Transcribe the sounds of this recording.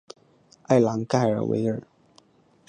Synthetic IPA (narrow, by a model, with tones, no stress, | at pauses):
a˥˩ɪlɑ˧˥ŋka˥˩ɪə̰˞˨˩wḛ˧˥ɪə̰˞˨˩